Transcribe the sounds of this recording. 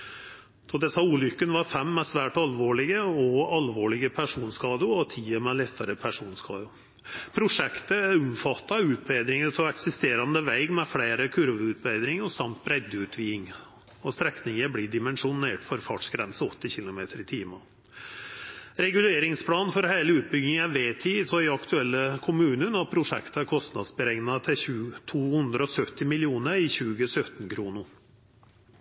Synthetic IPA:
d̪̥ɔd̪ɛsɑuːlʏkːənʋɑɾfɛmːɛsʋæːʈɑlʋoːɭɪɡəɔɑlʋoːɭɪɡəpʰæʂuːnskɑːd̪əɔt̪ʰiːəmɛlɛt̪ʰːəɾəpʰæʂuːnskʰɑ̰ːd̪ʊ | pʰɾʊʂɛkt̪əʊmfɑt̪ːɑʉːt̪̚beɪd̪ɾɪŋəɾt̪ʰɔɛksɪst̪eːɾɑnd̪əʋæɪɡmɛfɽeɪɾəkʰʉɾʋəʉːt̪̚bæɪd̪ɾɪŋəsɑmt̪̚bɾɛd̪əʉːt̪ʰʋiːɪŋ | ɔst̪ɾɛknɪŋəbɽiːɖɪmɛnʂʊneːʈfɔɾfɑːʈʂɡɾɛnsəɔt̪ːɪçɪlʊmeːt̪ʰəɾɪt̪ʰiːmɑ | ɾɛɡʉleːɾɪŋspʰlɑːnfɔɾhæɪləʉːt̪̚bʏɡɪŋæʋeːt̪ʰiːt̪ʰɔɪɑkt̪ʰʉɛlːəkʰʊmʉːnənɔpʰɾʊʂɛ̰kt̪əæɾkʰɔst̪nɑd̪sbəɾɛŋnɑt̪ʰɪʉt̪ʰuːhʉnd̪ɾəɔsœt̪ːɪmɪlɪuːnəɾɪçʉːɡəsœt̪ən̩kʰɾuːnʊ

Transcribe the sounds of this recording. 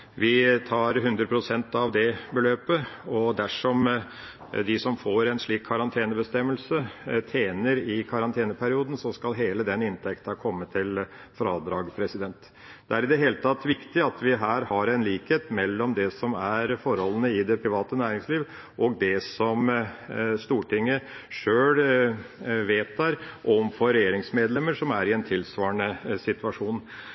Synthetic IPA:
ʋɪt̪ʰɑːɾɦʉnd̪ɾəpʰɾʊsɛnt̪ɑʋd̪ɛbəløːpəɔd̪æʂɔm | d̪ɪsɔmfoːɾɛnʂɭiːkʰːɑɾɑnt̪ʰeːnəbəst̪ɛmːəlsət̪ʰeːnəɾɪkʰɑɾɑnt̪ʰeːnəpʰæɾɪuːd̪ən̩sɔskɑlɦeːləd̪ɛnɪnt̪ʰɛkt̪ɑkʰɔmːət̪ʰːɪl | fɾɑːd̪ɾɑːɡpʰɾɛsɪd̪ɛnt̪ | d̪̥ɛæɾɪd̪ɛɦeːlət̪ʰɑt̪ːʋɪkt̪ɪɑt̪ʋɪɦæːɾhɑɾɛnliːkheːt̪mɛlːɔmd̪ɛsɔmæɾfɔɾhɔlːənəɪd̪ɛpʰɾɪʋɑːt̪ənæːɾɪŋsliːʋ | ʔɔɡd̪ɛsɔm | st̪uːʈɪŋːəʂøːl | ʋeːt̪̚æɾʔɔmfɔɾɛjeːɾɪŋsmeːd̪lɛmːəɾʂɔmæɾɪɛnt̪ʰɪlsʋɑːɳəsɪt̪ʉɑʂuːn

